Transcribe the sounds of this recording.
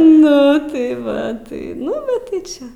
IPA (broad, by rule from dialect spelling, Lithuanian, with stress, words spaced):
ˈnʊ tɐɪ ˈʋɐ ˈtɐɪ ˈnʊ bʲɛt tɐɪ ˈt͡ʃʲɛ